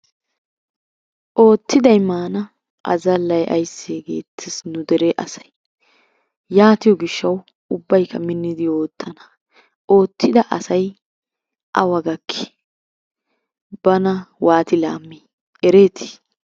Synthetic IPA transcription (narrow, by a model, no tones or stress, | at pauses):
ʔo̞ːt̪ːɪd̪ɐjmaːnɐ | ʔɐ̰zɐlːɐjʔɐ̰jsːeːɡḛːt̪ʰːɪsnʊd̪ɛɾeʔɐsɐ̥j | jaːt̪ɪjɔɡɪʃːɐw | ʊbːɐjkʰːɐmɪnːɪd̪ɪo̞ːt̪ʰːɐnɐ̥ | ʔo̞ːt̪ʰːɪd̪ɐʔɐsɐj | ʔɐwɐɡɐkʰːɪ̥ | b̥ɐnɐwaːt̪ɪla̰ːmːi | ɛɾeːt̪ʰɪ̥